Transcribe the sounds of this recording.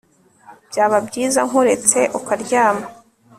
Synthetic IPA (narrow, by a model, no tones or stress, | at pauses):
b̥jaːβabɟiːzaŋoɾe̞t͡se̞ʔokaɾɟaːma